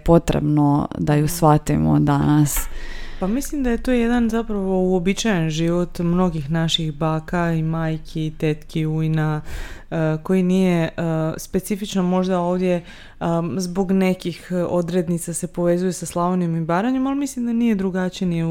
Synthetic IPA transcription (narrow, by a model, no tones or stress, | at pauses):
po̞t̪ɾḛbnod̪ajusʋat̪imo̰d̪anaspamislimd̪aje̞t̪oːje̞d̪anzapɾaʋo̞uobit͡ʃajenʒiʋo̞t̪mno̞ɡixnaʃixbaːkaimaːjkʰiːt̪et̪kiujna | ko̞jinije̞spe̞t̪sifit͡ʃnomo̞ʒd̪ao̞ːʋd̪ʲje̞ | zbo̞ɡne̞kixo̞d̪ɾe̞d̪nit̪sase̞po̞ʋe̞zuje̞saslˠaʋonemibaːɾaɲe̞malimislimd̪anije̞d̪ɾuɡat͡ʃijeni